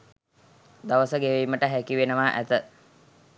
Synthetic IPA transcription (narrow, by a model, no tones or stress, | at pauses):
d̪aʋəsəɡeʋejməʈəɦækiʋenəʋaːʔæ̰t̪ə